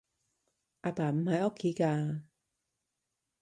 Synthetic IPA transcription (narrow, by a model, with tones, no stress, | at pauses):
ʔaː˧paː˨˩m̩˨˩hɐ˨jʔɔː˦˥kʰːiː˨˦kaː˧